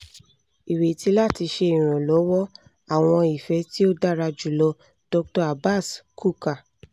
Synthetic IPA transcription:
i˨we˨ti˦la˦˨ti˧ʃe˧i˨ɾ̃ɔ̃˨lɔ˨˦wɔ˦ | a˦˨w̃ɔ̃˧i˨fɛ˨˧˦ti˦o˦da˦ɾa˧d͡ʒu˨lɔ˧˦ | d̥ɔ˧k̚tɔ˧a˨ba˦˨skʰu˦˨ka˨

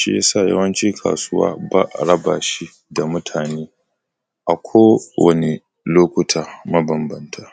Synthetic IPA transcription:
ʃḭ˦ja˦saː˦˨jɐ̰˦wɐ˦nt͡ʃi˦kʰa̰ː˨sʊ˦wa̰ː˦ba̰˦ʔɾɐ˦baː˨ʃi˦ | da˨mʊ˦tʰaː˨neː˦ | ʔa˨kʷʰoː˦wɐ̰˨ne˨ | loː˦kʷʊ˦tʰaː˨mɐ˦bɐ˨mbɐ˦ntʰaː˨

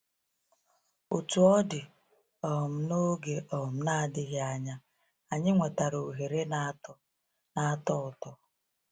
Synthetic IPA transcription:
o˨tu˨ɔ˦dɪ˨ | ɔ˨m̩˨˦no˦ɡe˨ʔɔ˨m̩˨na˦˨dɪ˦ɣɪ˦a˨ɲa˦ | a˨ɲɪ˦ŋʷe˨ta˨ɾo˨ɦe˨ɾe˦n˦ | na˦tɔ˦ʊ˨tɔ˨

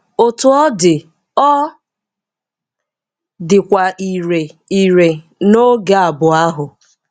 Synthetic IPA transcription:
o˨tʊ˨ɔ˦dɪ˨ | ɔ˦ | dɪ˨kʷa˨i˨ɾe˨i˨ɾe˨ | no˦ɡa˨a˨bʊ˨a˦ɦʊ˨

